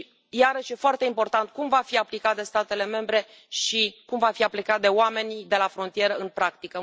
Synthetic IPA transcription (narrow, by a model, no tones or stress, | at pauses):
jaɾəʃje̞foart̪e̞impo̞rt̪ant̪̚kumvafiaplikat̪̚d̪e̞st̪at̪e̞le̞me̞mbɾe̞ | ʃikumvafiaplikat̪̚d̪e̞oame̞nid̪e̞lafɾo̞nt̪ije̞ɾəɨnpɾakt̪ikə